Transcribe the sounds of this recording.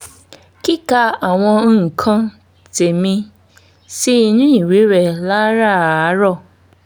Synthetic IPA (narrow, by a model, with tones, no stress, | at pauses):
ki˦ka˧a˨w̃ɔ̃˧˦˨kʰã˧ | te˨mĩ˧ | si˦i˧nũ˦ĩ˦˨ɾi˨˦ɾɛ˨la˦ɾa˦˨a˨˦ɾɔ˦˨